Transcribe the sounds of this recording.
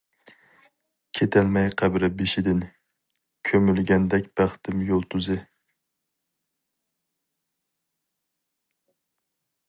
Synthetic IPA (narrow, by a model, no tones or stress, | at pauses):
kʲʰet̪ʰælmɛjqʰæbɾɪbeʃɪd̪ɪn | kʲʰømylɡʲɛnd̪ɛkʲb̥æχt̪ʰɪmjolˠt̪ʰuzɪ